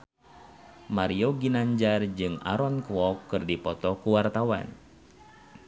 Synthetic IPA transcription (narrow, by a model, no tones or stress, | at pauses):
maɾioɡinaɲd͡ʒard͡ʒɨŋa̰ɾɔnkuwɔkːɨrdipɔt̪ɔkuwart̪awa̰n